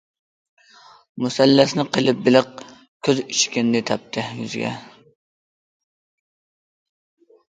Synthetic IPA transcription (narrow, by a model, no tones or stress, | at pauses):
musælːæsnɪqʰəlˠɪp̚bɪlɨq̚ | kʲʰøzyt͡ʃkʲɪnd̪ɪt̪ʰæp̚t̪ʰɪjy̰zɡʲɛ̰